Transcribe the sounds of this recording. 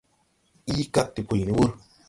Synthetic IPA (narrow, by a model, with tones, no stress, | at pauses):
i˦ka˦t̚ti˨pu˨jni˦wu˦ɾ